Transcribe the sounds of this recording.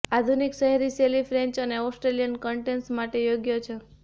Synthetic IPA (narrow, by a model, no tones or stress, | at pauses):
ad̪ʱunikʃəɦɛɾiʃelifʰɾẽɲt͡ʃəneɔsʈɾelijənkəɳʈensmaʈejoɡjot͡ʃʰe